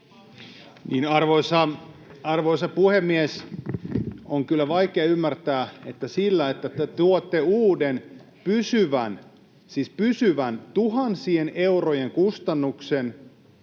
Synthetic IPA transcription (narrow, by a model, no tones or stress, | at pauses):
niːnɑrʋoisɑɑrʋoisɑpuhemːies | oŋkylːæʋɑikeɑymːært̪æːet̪ːæsilːæet̪ːæt̪et̪uot̪ːeuːden | pysyʋæn | siːspysyʋænt̪uɦɑnsieneurojeŋkust̪ɑnːuksen